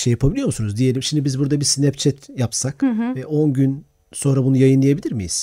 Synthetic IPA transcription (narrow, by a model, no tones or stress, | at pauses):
ʃejapʰabilʲijo̞musunuzd̪ije̞lʲimʃimd̪ibizbuɾd̪abisinɛpt͡ʃʰɛt̪ʰjapsakvɛʔo̞nɟyn | so̞nɾabunujajɯnlˠajabilʲiɾmijḭz̥